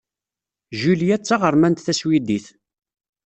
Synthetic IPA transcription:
ʒuljæt͡sːaʁəɾˤmænt̪θæswid̪iθ

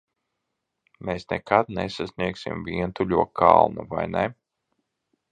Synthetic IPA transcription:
meːsnɛkad̪̚nɛsasnʲiɛksḭmviɛnt̪uʎʲuɔkʰa̰lˠnuvajnɛ

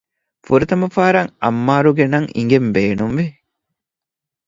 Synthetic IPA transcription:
fuɾɐt̪ɐmɐfaːɾɐŋɐmːaːɾuɡenɐŋḭŋɡembeːnumʋi

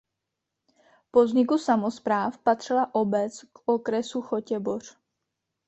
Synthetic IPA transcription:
po̞zɲɪkusamo̞spɾaːfpat̪r̝̥ɪlaʔo̞bɛt͡skʔokɾɛsuxo̞cɛbor̝̥

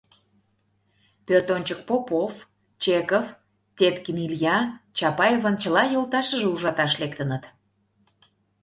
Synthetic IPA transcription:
pørt̪onʲt͡ɕək̚popof | t͡ɕekof | tʲet̪kimiljɑt͡ɕɑpɑjevənt͡ɕəlɑjolˠt̪ɑʃəʒeuʒɑt̪ɑʃlekt̪ənət̪

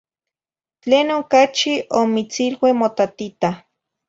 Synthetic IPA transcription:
t͡ɬeːnokat͡ʃiʔomit͡silwemot̪at̪it̪a

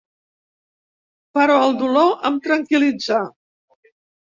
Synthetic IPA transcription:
pəɾɔəlˠd̪uloʔəmt̪ɾəŋkilid͡za

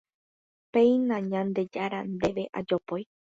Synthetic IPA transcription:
pe̞j̃nãɲãnd̪e̞d͡ʒaɾand̪e̞ʋe̞ʔa̰d͡ʒopoj

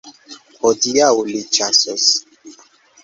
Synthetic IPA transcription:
hɔdiaulit͡ʃasɔs

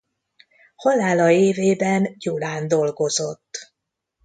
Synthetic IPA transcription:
hɒlaːlɒeːveːbɛnjulaːnd̪o̞lɡo̞zo̞t̪ː

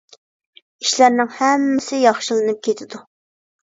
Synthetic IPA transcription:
iʃlæɾnɪŋhɛmːɪsɪjɑχʃɨlˠɨnɨp̚kʲʰet̪ʰɪd̪u

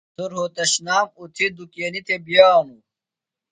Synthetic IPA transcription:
uɾɦoːt̪ɐɕnaːmut̪ʰid̪ukeːnit̪ʰebijaːnu

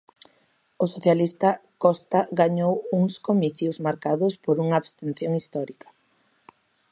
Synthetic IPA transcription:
osoθjalist̪ɐkɔst̪aɣaɲowuŋskomiθjʊzmaɾkaðʊspoɾuŋɐːβst̪en̟θjoŋist̪ɔɾikɐ̥

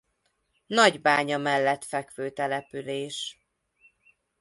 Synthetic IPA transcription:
nɒɟbaːɲɒmɛlːɛt̪fɛkʋøːt̪ɛlɛpyleːʃ

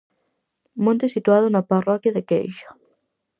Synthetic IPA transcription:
mõnt̪esit̪waðʊnaparɔkjaðekḛjʃḁ

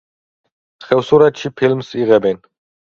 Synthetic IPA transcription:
sχɛvsuɾɛt̪ʃipʰilmsiʁɛbɛn

